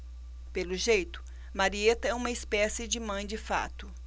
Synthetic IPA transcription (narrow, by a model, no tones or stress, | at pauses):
pelʊʒejt̪ʊ̥ | maɾiet̪ɐɛũmɐɪspɛsɪd͡ʒɪmɐ̃j̃d͡ʒɪfa̰t̪ʊ